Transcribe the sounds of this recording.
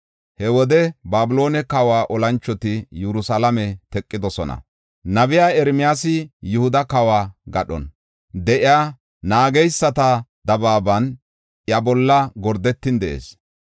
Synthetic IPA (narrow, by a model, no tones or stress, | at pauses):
hɛwɔd̪ɛbaːbʊlo̞ːnɛkɐwaːʔɔlɐnt͡ʃːɔt̪ɪjɛɾʊsalɐmɛt̪ɛkʼːɪd̪ɔsɔnɐ̰ | nɐbɪjaːɛɾmɪjaːsɪjʊhʊd̪ɐkɐwaːɡɐɗɔ̰n | d̪ɛʔɪjaː | naːɡɛjsːɐt̪ɐd̪ɐbaːbɐn | ʔjɐbɔlːɐɡɔɾd̪ɛt̪ːɪnd̪ɛʔḛːs